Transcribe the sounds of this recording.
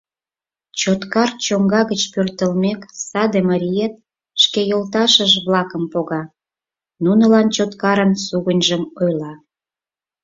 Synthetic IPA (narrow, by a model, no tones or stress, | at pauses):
t͡ɕot̪kɑrt͡ɕoŋɡɑɣət͡ɕpørt̪əlmʲeksɑd̪eməɾʲijet̪̚ | ʃkejolt̪̬ɑʃəʒβlɑkəmpoɣɑ | nunə̆lɑnt͡ɕot̪kɑɾənsuɣənʲʒəmojlɑ